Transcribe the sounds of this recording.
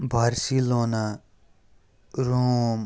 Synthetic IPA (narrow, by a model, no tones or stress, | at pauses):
bʱaɾsilona | ɾoːm